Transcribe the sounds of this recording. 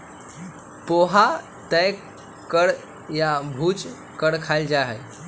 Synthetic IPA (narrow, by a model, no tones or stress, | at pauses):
poɦa | t̪əj | kːəɽ | jabʱuːt͡s | kəɽkʰajld͡ʑaɦa̰j